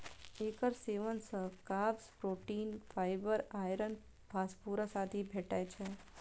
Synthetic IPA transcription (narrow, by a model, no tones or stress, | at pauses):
ekəɾseʋənsəkabspɾoʈinfʰajbəɾajɾən | bʱaspuɾəsad̪ʱibʱɛʈajt͡ʃʰe